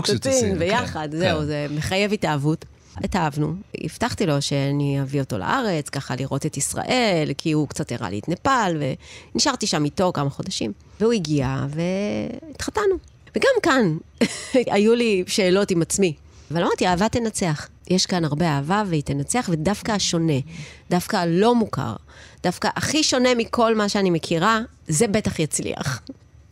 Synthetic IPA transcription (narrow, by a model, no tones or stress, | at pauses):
stinbejaχadzeuzemeχaje̞vitaːvut | etaavnuḭftaχt̪ilo̞ʃe̞aniavio̞to̞la̰ʔaʁe̞t͡skaχaliʁo̞tetisʁa̰ʔe̞lkʰiukt͡sat̪jaʁa̰lḭtnapalvḛniʃaʁt̪iʃamito̞kamaχo̞daʃim | veuiɡia̰ve̞itχatanu | veɡamkan | ajuliʃe̞ːlo̞timat͡smi | valamaʁdt̪iaːvat̪enat͡se̞aχ | jʔeʃkanaʁbeaːvaveit̪enat͡seaχve̞dafkaʃo̞ne̞dafkalo̞muka̰ʁd̥afkaʔaχiʃo̞ne̞mikʰo̞lmaʃeanimekʰiʁa | zebetaχjat͡slḭa̰χ